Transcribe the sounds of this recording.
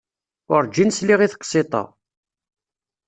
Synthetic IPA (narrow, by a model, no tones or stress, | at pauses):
ʊɾd͡ʒinsliʁiθqːsˤɪt̪ˤɑ̰